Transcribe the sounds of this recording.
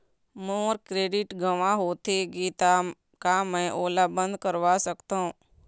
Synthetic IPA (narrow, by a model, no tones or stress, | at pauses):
moːɾkɾeːɖɪʈɡəʋãɦoːt̪eɡiːt̪a | kamɛ̃ʔoːlabə̃nd̪ʱkəɾʋasəkt̪aɦũː